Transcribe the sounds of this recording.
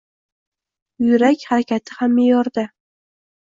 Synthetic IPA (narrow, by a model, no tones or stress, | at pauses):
jʊɾakʲhaɾakʲat̪ʰɪ̥hamːejɒɾd̪ɪ